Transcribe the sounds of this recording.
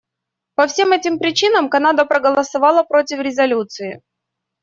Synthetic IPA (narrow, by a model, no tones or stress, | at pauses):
pɐfsʲemɛtʲɪmpɾʲɪt͡ɕinəmkɐnad̪əpɾəɡəlˠəsɐvɑlˠəpɾo̞tʲɪfɾʲɪzɐlʲut̪sɨɪ